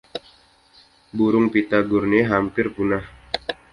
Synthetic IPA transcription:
buɾʊŋpit̪aɡurniɦampɪrpunah

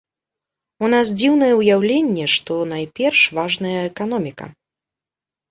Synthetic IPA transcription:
un̪as̬d͡zʲiwnɐjɛujawlʲenʲːɛʂt̪ɔnajpʲɛrʂvaʐnɐjɐɛkan̪ɔmʲikɐ̰

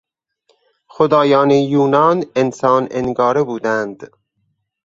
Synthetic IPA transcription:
xod̪ɒːjɒːnejuːnɒːnensɒːnenɡɒːɾebuːd̪ænd̪

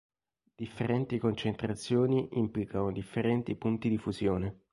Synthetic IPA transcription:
d̪̥ifːeɾɛnt̪ikont͡ʃent̪ɾat̪sːjoːniʔimplikanod̪ifːeɾɛnt̪ipunt̪id̪ifuzjoːne

